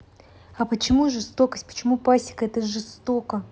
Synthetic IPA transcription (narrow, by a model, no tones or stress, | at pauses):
ɐpət͡ɕɪmuʐɨst̪o̞kəsʲtʲpə̥t͡ɕɪmupasʲɪ̥kəɛt̪əʐɨst̪okə